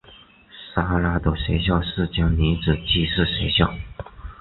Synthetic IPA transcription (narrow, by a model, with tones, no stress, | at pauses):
sa˥la˥t̪ə˨˩ʂe˧˥ɪɕjɑ˥˧ʊʂɻ̩˥˩t͡ɕjɑ˥ŋni˧˥nʈ͡ʂɻ̩˨˩t͡ɕi˥˧ʂɻ̩˥˩ʂe˧˥ɪɕjɑ˥˩ʊ